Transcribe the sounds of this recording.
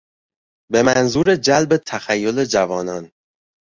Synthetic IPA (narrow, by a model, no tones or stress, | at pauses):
be̞mænzuːɾed͡ʒælbet̪ʰæxæjːole̞d͡ʒævɒːnɒn